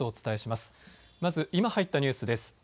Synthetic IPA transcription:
oːt͡sɨ̥t̪ae̞ɕimasɨ̥ | mazɨʔimahait̪ːaɲ̟ɨːsɨd̪e̞sɨ̥

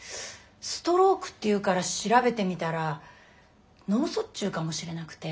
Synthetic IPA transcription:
sɨ̥t̪o̞ɾo̞ːkɯ̟̥t̪ːe̞jɯ̟ːkaɾaɕiɾabe̞t̪e̞mʲit̪aɾa | no̞ːso̞t͡ɕɨːkamo̞ɕiɾe̞nakɯ̟̥t̪e̞

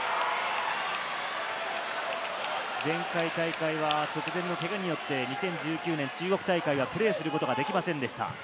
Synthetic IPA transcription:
zẽ̞ŋkait̪aikaiβat͡ɕo̞kɯ̟zẽ̞nːo̞k̪e̞ɡaɲ̟ijo̞t̪ːe̞ɲ̟isẽ̞ɲ̟d͡ʑɨːkʲɨːnẽ̞ɲ̟t͡ɕɨːɡo̞kɯ̟̥t̪aikaiβapɯ̟ɾe̞ːsɨɾɯ̟ko̞t̪o̞ɡad̪e̞kʲimasẽ̞nd̪e̞ɕi̥t̪a̰

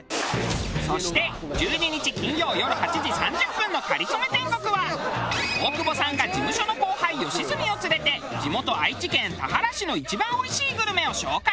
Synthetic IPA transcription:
so̞ɕi̥t̪e̞ | d͡ʑɨːɲiɲ̟it͡ɕikʲĩɲjo̞ːjo̞ɾɯ̟hat͡ɕiʑisãɲ̟d͡ʑɨpːɯ̟̃nːokaɾʲit͡some̞t̪ẽ̞ŋɡo̞kɯ̟βa | o̞ːkɯ̟bo̞sãŋɡad͡ʑimɯ̟ɕo̞no̞ko̞ːhaijo̞ɕizɨmʲio̞t͡sɨɾe̞t̪e̞d͡ʑimo̞t̪o̞ait͡ɕikẽ̞nt̪aɦaɾaɕino̞it͡ɕibãɰ̃o̞iɕiːɡɯ̟ɾɯ̟me̞o̞ɕo̞ːka

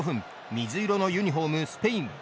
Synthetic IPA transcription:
ɸɯ̟̃m | mʲizɨiɾo̞no̞jɯɲ̟iɦo̞mɯ̟sɨ̥peĩm

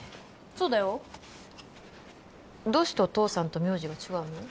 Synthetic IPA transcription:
soːd̪ajo | d̪o̞ːɕi̥t̪eot̪o̞ːsãnt̪o̞mʲjo̞ːʑiɡat͡ɕiɡaɯ̟no

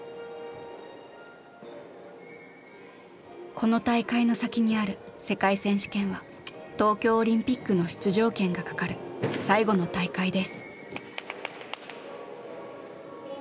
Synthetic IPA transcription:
kʰo̞no̞t̪aikaino̞sakʲiɲ̟iaɾɯ̟se̞kaisẽ̞ɰ̃ɕi̥kẽɰ̃βa | t̪o̞ːkʲo̞ːɾʲĩmpʲikːɯ̟no̞ɕi̥t͡sɨʑo̞ːkẽ̞ŋɡakḁkaɾɯ̟saiɡo̞no̞t̪aikaid̪e̞sɨ̥

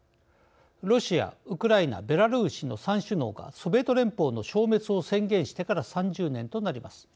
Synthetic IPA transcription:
ɾo̞ɕia̰ɯ̟kɯ̟ɾaina̰be̞ɾaɾɯːɕino̞sãɰ̃ɕɨno̞ːɡa̰sobe̞ːt̪o̞ɾẽ̞mpo̞ːno̞ɕo̞ːme̞t͡sɨo̞sẽ̞ŋɡẽ̞ɰ̃ɕi̥t̪e̞kaɾasãɲd͡ʑɨːnẽ̞nt̪o̞naɾʲimasɨ̥

